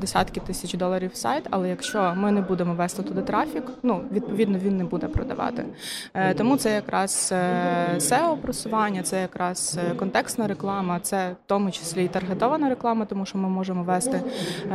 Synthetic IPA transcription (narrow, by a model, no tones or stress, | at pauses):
d̪esʲɑ̰t̪kɪt̪ɪsʲɐt͡ʃd̪ɔlˠɐɾʲiwsɑ̰jt̪ɐ̰lˠɛjɐkʃt͡ʃɔmɪnɛbud̪emɔʋɛst̪ɪt̪ʊd̪ɪt̪ɾɑfʲiknuʋʲid̪̚pɔid̪nɔʋʲinːɛbud̪ɛpɾɔ̰d̪ɐ̰ʋɑ̰t̪ɪ̰t̪ɔmut̪sɛjɐkɾʔɑz̥ | sɛɔpɾɔsʊʋɑnʲːɐt̪sɛjɐkɾɑz̥kɔnt̪ɛkst̪nɐɾeklˠɑmɐt̪sɛt̪ɔmʊt͡ʃɪ̥sʲlʲit̪ɐrɦet̪ɔʋɐnɐɾeklˠɑmɐt̪ɔmuʃt͡ʃɔmɪmɔʒemɔʋɛst̪ɪ